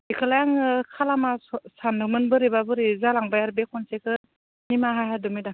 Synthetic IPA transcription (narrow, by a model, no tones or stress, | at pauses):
ikʰɯlajaŋkʰalamassanːɯmɯnbɯɾibabɯɾizalaŋbajaɾbekʰɔnsekʰɯ | nimaɦahajdɔmida